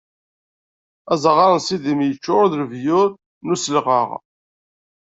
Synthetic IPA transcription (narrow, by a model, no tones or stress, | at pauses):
æzəʁɑɾˤnsiðimjət͡ʃːʊɾðlvjʊɾ | nusəlʁə̰ʁ